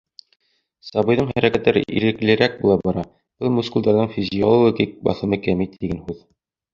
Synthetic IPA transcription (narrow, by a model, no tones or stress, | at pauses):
sɑβɤ̆jðɤɴhæɾækæt̪ːæɾɘ̰ʔḭɾɘ̆klɘ̆ɾæk̚bulˠɑbɑɾɑ | b̥ɤlˠmuskuld̪ɑɾðɤɴfʲɪzʲɪolˠooɡʲik̚bɑ̰θɤ̆mɤkæmit̪iɡænhʉð